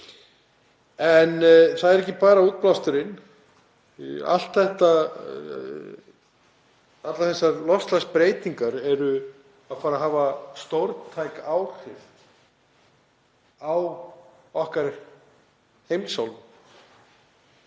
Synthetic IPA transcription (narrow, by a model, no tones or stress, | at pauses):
ɛnθaðɛɾɛhcːɪpaːɾauːt̪̚plawst̪ʏɾɪn | a̰l̥t̪θɛht̪a | at̪laθɛsːalɔst̪laspɾeːjt̪iŋkaɾɛɾʏ | aðfaːɾaɦaːvast̪owɾt̪t̪ʰajkawr̥ɪv | aw | ɔhkaɾ | hejmsawl